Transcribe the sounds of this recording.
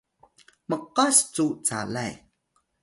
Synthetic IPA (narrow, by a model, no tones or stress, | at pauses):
məqast͡sut͡sa̰laj